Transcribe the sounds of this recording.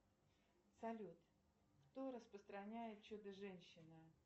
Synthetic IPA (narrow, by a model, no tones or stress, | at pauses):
sɐlʲut̪ | kt̪oɾəspɾəst̪ɾɐnʲæjɪt̪̚t͡ɕod̪əʐɛnʲɕːɪnə